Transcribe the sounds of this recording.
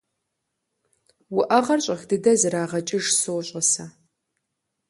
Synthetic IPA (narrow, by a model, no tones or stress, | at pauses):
wʊʔɐʁɐrɕʼɐxdɨdɐzɨɾaːʁɐt͡ʃʼɪʒsoːɕʼɐsɐ